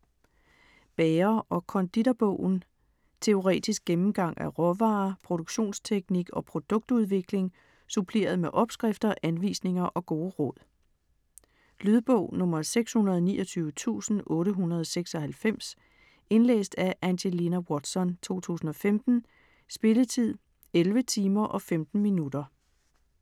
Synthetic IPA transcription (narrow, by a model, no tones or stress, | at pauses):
b̥ɛːɐʔɒ̽kʰɒ̽nd̥id̥ɐb̥ɔʊ̰n̩ | t͡sʰe̝o̝ʁɛ̰ːd̥isɡ̥̚emm̩ɡ̥ɑ̈ŋ̰ʔæʁɒʋɑ̈ːpʰʁo̝ɾ̥oɡ̥ɕo̝̰ːnst͡sʰeɡ̥niɡ̥ɒ̽pʰʁo̝d̥ɔ̽ɡ̥̚d̥uð̞ˠʋe̝ɡ̥le̝ŋ | supʰle̝̰ːɐð̞̩ˠmeʔɒ̽b̥sɡ̥ʁefd̥ɐʔænʋḭːsne̝ŋɐʔɒ̽ɡ̥o̝ːʁɔ̽ð̰ˠ | lyðˠb̥ɔʊ̰nɔ̽mɐðˠseɡ̥shunɐð̞ˠɒnḭːɒt͡sʰyːʊət͡sʰṵːsn̩ʔɔ̽ːɾəɦunɐð̞ˠseɡ̥sɒ̽hælfem̰s | e̝nlḛːsd̥æʔænɕelinæwɒd̥sɒ̽nt͡sʰo̝̰ːt͡sʰṵːsn̩ɒ̽femd̥n̩ | sb̥e̝lət͡sʰið̰ˠ | elʋət͡sʰiːmɐʔɒ̽femd̥n̩minudɐ